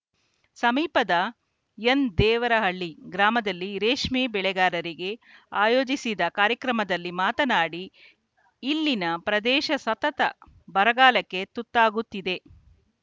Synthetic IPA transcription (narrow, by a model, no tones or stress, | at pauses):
sɐmiːpɐd̪ɐ | end̪ɛːʋɐɾɐɦɐɭːiɡɾaːmɐd̪ɐlːiɾeːʂmiːbɛɭɛɡaːɾɐɾiɡe̞aːjo̞ːd͡ʒisid̪ɐkaːɾjɐkɾɐmɐd̪ɐlːimaːt̪ɐnaːɽiː | lːinɐpɾɐd̪ɛːʃɐsɐt̪ɐt̪ɐ̰ | bɐɾɐɡaːlɐkːe̞t̪ut̪ːaːɡut̪ːid̪e̞